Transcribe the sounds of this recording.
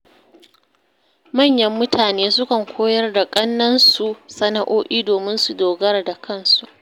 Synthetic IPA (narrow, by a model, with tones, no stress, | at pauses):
mɐ˦˨ɲjɐ˦mːʊ˦tʰaː˨neː˦sʊ˦kɐ˨ŋkʷʰoː˦jɐ˦rda˨kʼɐ˦nːɐ˦nsu˨sɐ˦na˦ʔoː˦ʔiː˦doː˨mɪ˦nsu˨doː˨ɡɐ˦rda˨kʰɐ˦˨nsu˨ʔ